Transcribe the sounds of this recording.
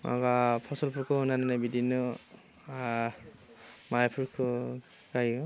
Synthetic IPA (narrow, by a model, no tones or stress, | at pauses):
a̰ɡapʰɔsɔlpʰuɹkʰɔnananabidinɔ | a | majapʰuɹkʰɔ | kajɔ